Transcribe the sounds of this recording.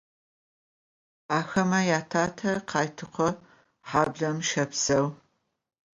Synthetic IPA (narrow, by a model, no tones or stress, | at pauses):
aːxɐmɐjaːtʰaːtʰɐqʰɑːjtʰɨqʷʰɔ | ħaːbɮɐmʃɐpsɐw